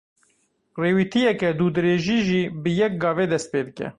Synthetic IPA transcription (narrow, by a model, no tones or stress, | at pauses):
reːwiːt̪ʰijɛkɛd̪uːd̪ɨɾeːʒiːʒiːbəjɛk̚ɡɑːveːd̪ɛst̪̚peːd̪ɨkʲɛ̰